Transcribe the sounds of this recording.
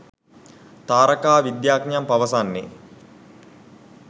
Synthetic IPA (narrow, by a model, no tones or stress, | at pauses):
t̪aːɾɐkaːʋid̪jaːknjampɐʋɐsanːḛ